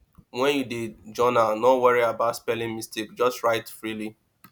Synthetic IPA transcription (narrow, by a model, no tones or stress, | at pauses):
wɛ̃njudidd͡ʒɔnanɔwaɹiabaʊtspɛlĩŋmistikd͡ʒɔstɹaɪtfɹili